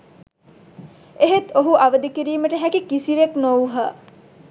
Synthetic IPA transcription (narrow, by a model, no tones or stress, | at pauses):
eɦet̪oɦuʔaʋəd̪ikiɾiːməʈəɦækikisiʋeknowɦə